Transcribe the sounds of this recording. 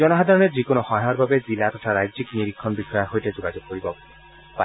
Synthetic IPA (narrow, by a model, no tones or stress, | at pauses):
d͡ʒɔnɔɦad̪ʱaɾɔned͡ʒikonohɔ̃ɦɔɾbʱabed͡ʒilat̪ɔt̪ʰaɾajd͡ʒikniɾikʰːɔnbikʰɔjaɦojted͡ʒoɡad͡ʒoɡ̚koɾibɔ | pa